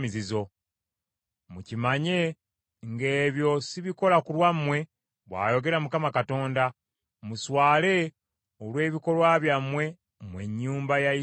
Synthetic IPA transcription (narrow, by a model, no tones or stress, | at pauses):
izizo̞ | mucimaɲe̞ | ŋɡe̞ːβjo̞siβiko̞lakulwamwe̞ | βwa̰ːjo̞ɡe̞ɾamukamakato̞ːnda | muswaːle̞ | olwe̞ːβiko̞lwaβjamwe̞ | mwe̞̰ɲːuːmbajai